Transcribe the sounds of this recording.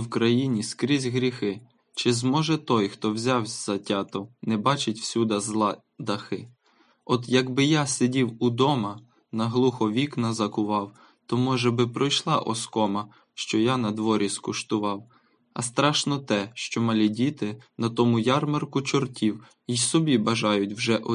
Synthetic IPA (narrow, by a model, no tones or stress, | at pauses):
wkɾɐjinʲiskɾʲizʲɦɾʲixɪ | t͡ʃɪzmɔʒɛt̪ɔjxt̪ɔwzʲawʲz̥ɐtʲɑt̪ɔnɛbɑt͡ʃɪtʲwsʲud̪ɐzlˠɑ | d̪ɐxɪ | ɔd̪jɐɡbɪjasʲedʲiwʊd̪ɔmɐ | nɐɦlˠuxɔʋʲiknɐzɐkʊʋɑw | t̪ɔmɔʒɛbɪpɾɔjʃlˠɑʔɔ̰skɔmɐ | ʃt͡ʃɔjanɐd̪ʋɔɾʲiskʊʃt̪ʊʋɑw | ɐ̰st̪ɾɑʃnɔt̪ɛʃt͡ʃɔmɐlʲidʲit̪ɪnɐt̪ɔmʊjɑrmɐrkʊt͡ʃɔrtʲiw | isɔbʲibɐʒɑjʊtʲwʒɛʔɔ